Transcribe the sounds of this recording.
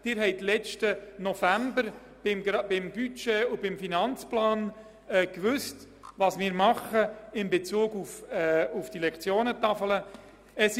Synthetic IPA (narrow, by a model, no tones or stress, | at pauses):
d̥ɪɾɦɛɪtlɛt͡ʃtənɔfæmbəɾ | b̥ɪmbɪmbyt͡ʃeːʊbɪmfinɑnt͡splɑːn | ɛːkvʏst | vɑsmɪːɾmɑχəɪmbet͡suːɡufʊfd̥ilɛkt͡sjoːnətɑfələ | ɛs